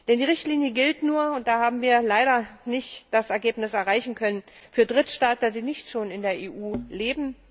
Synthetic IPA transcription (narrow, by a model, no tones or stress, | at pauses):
d̥ɛndiːʁɪçtliːnjəɡɪltnuːɐʊnt̚d̥aːhaːbm̩viːɐlaɪɾɐnɪçtd̥asɛɐɡeːpnɪsɛɐʁaɪçn̩kʰœnən | fyːɐdʁɪtʃtaːtdiːnɪçtʃoːnɪndeːɐʔeːʔuːleːbm̩